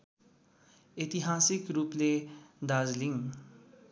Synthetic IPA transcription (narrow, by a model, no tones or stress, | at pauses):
et̪iɦasikɾupled̪azliŋ